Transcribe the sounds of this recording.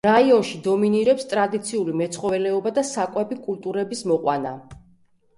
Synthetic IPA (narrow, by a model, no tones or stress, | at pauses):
ɾaiɔnʃid̪ɔminiɾɛpst̪ʼɾad̪it̪sʰiulimɛt̪sʰχɔvɛlɛɔbad̪asakʼwɛbikʼult̪ʼuɾɛbismɔqʼwa̰na̰